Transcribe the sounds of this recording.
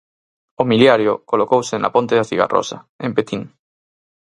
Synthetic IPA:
omiljaɾjo̰kolokowsena̰pont̪eðaθiɣa̰ro̰sa̰ | ẽmpet̪iŋ

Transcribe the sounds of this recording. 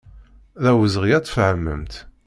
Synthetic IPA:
ðæwəzʁijæt͡sːˤfʕəmːə̰mt̪

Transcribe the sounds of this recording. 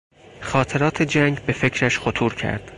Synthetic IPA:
xɒːt̪ʰe̞ɾɒːt̪ʰed͡ʒæŋɡbe̞fe̞cʰɾæʃxot̪ʰuːɾcʰæ̰ɾd̪̥

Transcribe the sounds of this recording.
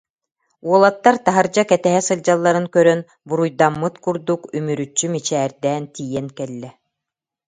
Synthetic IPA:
uɔlˠat̪ːaɾt̪aɦaɾd͡ʑakɛt̪ɛɦɛsɯld͡ʑalˠːaɾɯŋkœɾœn | buɾujd̪amːɯt̪kuɾd̪ukymyɾyt͡ɕːymit͡ɕɛːɾd̪ɛːnt̪iːjɛnkɛlːɛ

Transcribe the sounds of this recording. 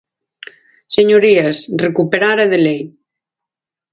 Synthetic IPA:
seɲoɾiesrekupeɾaɾeðelej

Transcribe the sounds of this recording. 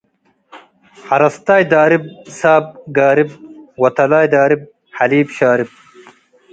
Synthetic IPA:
hɐɾɐst̪aːjd̪aːɾib̚saːb̚ɡaːɾib̚wɐt̪ɐlaːjd̪aːɾib̚ | hɐliːbɕaːɾib̚

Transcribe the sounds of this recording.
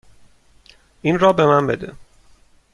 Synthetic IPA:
ʔinrɒːbemænbed̪ḛ

